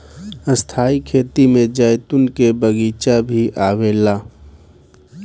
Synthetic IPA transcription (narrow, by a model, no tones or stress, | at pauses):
əst̪ʰaːikʰeːt̪imẽd͡ʒaːjt̪ʊnkebəɡiːt͡ʃabʱiʔaːweːlaː